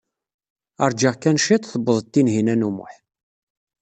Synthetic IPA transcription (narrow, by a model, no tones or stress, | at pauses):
ɑɾˤd͡ʒəʁkænʃit̪ˤθəbːəðˤət̪ːinɦinænumʊ̰ħ